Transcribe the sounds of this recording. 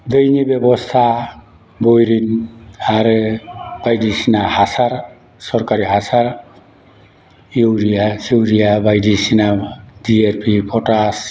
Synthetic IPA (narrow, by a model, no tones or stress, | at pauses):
d̪əjnibebɔst̪ʰa | bojɾinaɾ | b̥ajdisinahasaɾ | sɔɾkaɾiɦasaɾ | jowɾijasiwɾijabajdisinadieɾpʰipʰɔʈas